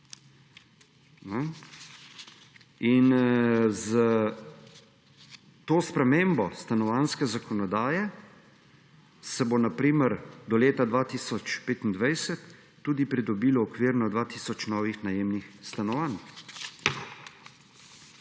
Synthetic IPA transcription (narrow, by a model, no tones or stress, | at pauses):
nɔ | inzə | t̪oːspɾɛmeːmbɔst̪anɔʋanskɛzakɔnɔd̪aːjɛ | sɛbonapɾiːməɾd̪ɔleːt̪ad̪ʋaːt̪iːsɔt͡ʃpeːt̪ind̪ʋajsɛt̪ː | uːd̪ipɾid̪ɔbiːlɔːkʋiɾnɔd̪ʋaːt̪iːsɔt͡ʃnɔːʋixnajeːmnixst̪anɔʋan